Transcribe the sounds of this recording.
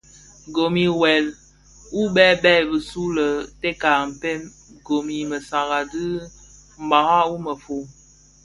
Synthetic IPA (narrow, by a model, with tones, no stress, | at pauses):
ɡo˨mi˨wɛ˨l | u˦bɛ˦bɛ˦˨bə˨su˦lə˨te˦ka˨m̩˨pe˦m | ɡo˨mi˨mə˨sa˨ɣa˨dɨ˦ | m̩˨ba˨ha˦u˦mə˨fo˨